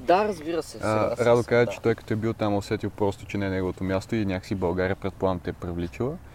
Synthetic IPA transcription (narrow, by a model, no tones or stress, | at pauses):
d̪aɾɐzbiɾɐsɛəɾad̪okazət͡ʃɛ̥t̪ɔjkɐ̥t̪ɔɛbilˠt̪amosɛt̪ilˠpɾɔst̪o̥t͡ʃɛnɛnɛɡolˠot̪omʲjast̪oinʲjakə̥sibɐlˠɡaɾʲijəpɾɛt̪̚plˠant̪ɛpɾivlit͡ʃilˠə